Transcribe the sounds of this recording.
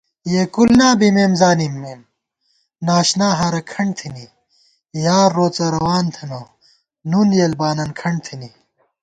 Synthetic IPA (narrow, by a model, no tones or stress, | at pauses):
jeːkulnaːbimeːmzaːnimːeːm | naːɕnaːɦɐɾɐkʰɐɳɖt̪ʰini | jaːɾːoːt͡sɐɾɐwaːnt̪ʰɐmɐ | nunjeːlbaːnɐnkʰɐɳɖt̪ʰini